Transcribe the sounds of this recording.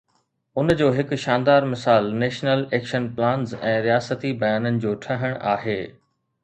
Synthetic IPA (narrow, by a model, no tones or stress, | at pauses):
ʊnd͡ʑoːɦɪkʊ̆ʃaːnd̪aːɾmɪsaːlneːʃnəleːkʃənplãːnzɛ̃ːɾijaːsət̪ibɐjaːnənɪ̆d͡ʑoːʈʰɐɦəɽ̃ʔa̰ːɦeː